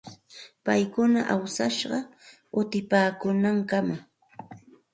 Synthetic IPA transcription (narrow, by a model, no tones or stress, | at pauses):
pajkʊna̰ʔawsaʃɢɑ | ʊt̪ɪpaːkʊnaŋkama